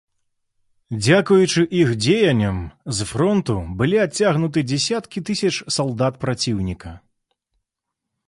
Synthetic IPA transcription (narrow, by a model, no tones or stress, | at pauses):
d͡zʲakujut͡ʂɨʔixd͡zʲejɐnʲːɐmzfɾɔnt̪ubɨlʲiat͡sʲːaɣnut̪ɨd͡zʲɛsʲat̪kʲit̪ɨsʲɐt͡ʂsalˠd̪at̪pɾat͡sʲiwnʲikɐ